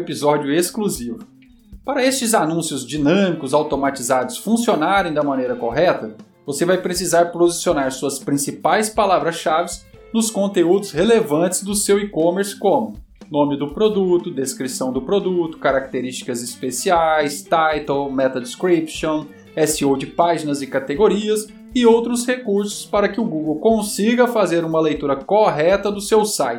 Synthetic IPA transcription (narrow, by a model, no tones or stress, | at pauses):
epizɔd͡ʒʊeskluzivʊ | paɾɐest͡ʃɪzanũsjʊzd͡ʒinɐ̃mikʊzawt̪omat͡ʃizad̪ʊsfũsionaɾẽj̃d̪ɐmɐ̃nejɾɐkoɦɛt̪ɐ | vosevajpɾesizaɾpozisionaɾsuɐspɾĩsipajspalavɾɐsʃavɪsnʊskõnt̪eud̪ʊshelevɐ̃t͡ʃɪ̥zd̪ʊsewikõmeɾskõmʊ | nõmɪd̪ʊpɾod̪ut̪ʊd̪eskɾisɐ̃w̃d̪ʊpɾod̪ut̪ʊ̥kaɾak̚t̪eɾist͡ʃi̥kɐzɪspesiajst̪ajt̪owmɛt̪ɐd̪ɪskɾipʃõw̃ | ɛsiowd͡ʒɪpaʒinɐzɪkat̪eɡoɾiɐs | ɪowt̪ɾʊshekuɾsʊ̥spaɾɐkɪʊɡuɡowkõsiɡɐfazeɾũmɐlejt̪uɾɐkoɦɛt̪ɐd̪ʊsewsajt͡ʃɪ̥